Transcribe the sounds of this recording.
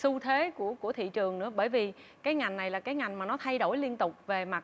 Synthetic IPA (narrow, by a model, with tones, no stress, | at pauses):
su˧t̪ʰwe˨˦ku˧˩əku˧˩ət̪ʰḭ˧˨t͡ɕɨ˨˩əŋnɨ̰˧˥əɓəː˧˩jvi˨˩kaː˨˦jŋa˨˩jŋ̟na˨˩jlaː˨˩kaː˨˦jŋa˨˩jŋ̟maː˨˩nɔ˨˦t̪ʰa˧jɗo˧˩jli˧ənt̪ʊ˨˩k͡p̚ve˨˩ma˨˩t̚